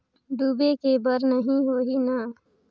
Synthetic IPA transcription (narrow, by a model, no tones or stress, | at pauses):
ɖuːbekebəɾnəɦĩɦoːɦina